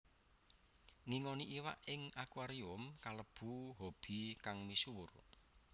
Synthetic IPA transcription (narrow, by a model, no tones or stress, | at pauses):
ŋiŋɔniʔiwa̰ʔɪŋakuaɾiʊmkaləb̥uɦob̥i̤kaŋmisuwʊ̰r